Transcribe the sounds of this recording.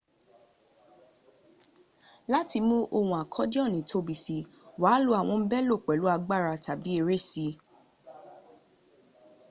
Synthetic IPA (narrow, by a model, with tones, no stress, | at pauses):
la˦ti˧mũ˦ʔo˧wũ˧a˨kʰɔ˨˦dɔ̃˦˨nĩ˨tʰo˧˦bi˨si˧waː˨˦lu˧˦a˦˨w̃ɔ̃˧m̩˦bɛ˦lo˦˨k͡pɛ˨lu˨˦a˧ɡ͡ba˦˨ɾa˧ta˨bi˨˦e˧ɾe˦˨si˧˦